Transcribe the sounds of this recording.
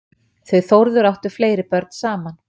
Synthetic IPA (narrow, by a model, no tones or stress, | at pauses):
θœɥθowɾðʏɾawht̪ʏɾ̥fleːjɾɪpœɾt̪̚n̥saːman